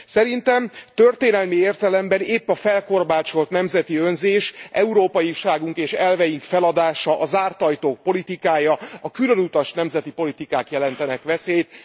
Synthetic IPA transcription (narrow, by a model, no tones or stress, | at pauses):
sɛɾint̪ɛmt̪ørt̪eːnɛlmieːrt̪ɛlɛmbɛneːpːɒfɛlko̞rbaːt͡ʃo̞lt̪nɛmzɛt̪iønzeːʃʔɛuɾoːpɒjiʃaːɡuŋkeːʃɛlvɛjiŋkfɛlɒd̪aːʃɒʔɒzaːrt̪ɒjt̪oːk̚po̞lit̪ikaːjɒɒkylø̞nut̪ɒʃnɛmzɛt̪ipo̞lit̪ikaːkjɛlɛn̪t̪ɛnɛkʋɛseːt̪